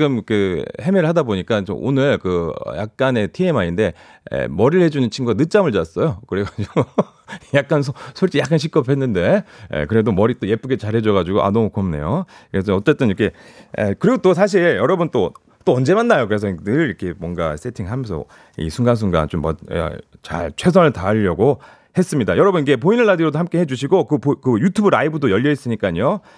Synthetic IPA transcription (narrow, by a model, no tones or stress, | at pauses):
ɡɯmkɯhe̞meɾɯɭhadaboɲik͈at͡ɕo̰ʔo̰nɯɭkɯʌ̰ja̰k̚k͈ane̞tʰiemaɲinde̞ | ḛmʌɾiɭhe̞d͡ʑunɯnt͡ɕʰinɡuɡanɯt͡ɕ͈amɯɭd͡ʑaas͈ʌjokɯɾeɡad͡ʑi | jak̚k͈ans̬ʰosʰoɭt͡ɕ͈ijak͈anɕ̬ʰik͈ʌpʰe̞nːɯnde̞ḛkɯɾe̞domʌɾit͈oje̞p͈uɡe̞t͡ɕaɭhe̞d͡ʑʌɣad͡ʑuɡoʔa̰nomokʰʌmne̞̰joes̬ʰʌʌt͡ɕ͈e̞t͈ɯnikʰe̞̰ | kɯɾiɡot͈osʰaɕ̬ʰiɭjʌɾʌbunt͈o | t͈oʌnd͡ʑe̞manːajokɯɾe̞s̬ʰʌidɯɭiɾkʰe̞mwʌŋɡa̰s͈ʰe̞tʰiŋɭɦamjʌnsʰʌ̰ | ḭsʰuŋɡans̬ʰuŋɡa̰nt͡ɕomːʌ̰a̰t͡ɕa̰ɭt͡ɕʰwe̞s̬ʰʌnɯɭtaːʎːʌɡo | he̞s͈ɯmɲidajʌɾʌbuniɡe̞p̬oinɯɭːadiɾodohamk͈e̞he̞d͡ʑuɕʰiɡokɯpkɯjutʰubɯɾaibudojʌʎːʌis͈ɯɲik͈aɲo